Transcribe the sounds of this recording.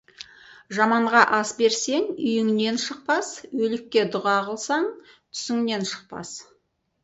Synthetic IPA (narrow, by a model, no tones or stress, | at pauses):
ʒɑmɑɴʁɑʔɑsbe̞ɾse̞ŋʏjɪŋne̞nʃəq̚pɑswɵlɪkʲːe̞d̪ʊʁɑʁəlˠsɑɴ | t̪ʰʏ̥sɪŋne̞nʃə̥q̚pɑ̰s